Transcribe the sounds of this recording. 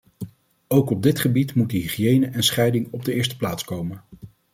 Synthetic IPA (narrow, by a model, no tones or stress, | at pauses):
owkɔb̚dɪtχəbitmut̚dəɦiχjejnəʔɛnsχɛjdɪŋɔb̚dəɪːɹstə̥plaːtskowmən